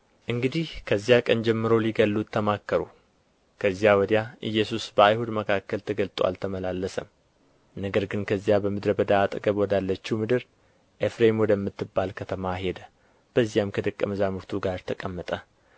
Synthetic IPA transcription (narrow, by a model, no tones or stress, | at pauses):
ʔɨŋɡɨd̪ihkʰəzːijakʼənd͡ʒɛmːɨɾowliɡəlːut̪ʰːəmakːəɾu | kʰəzːjawɔd̪jaʔɨjːɛsusbəajhud̪məkʰakːəlt̪ʰəɡəlt̪ʼwa̰lt̪ʰəməlalːəsəm | nəɡəɾɡɨnkʰəzːijabəmɨd̪ɾəbəd̪aːt̪ʼɡəβwɔd̪alːət͡ʃːimɨd̪ɨɾ | ʔefɾemwɔd̪əmːɨt̪ːɨbːalkʰət̪ʰəmaɦe̞d̪ə | b̥əzːijamkʰəd̪əkʼːəməzamuɾt̪ʰuɡaɾt̪ʰəkʼəmːət̪ʼə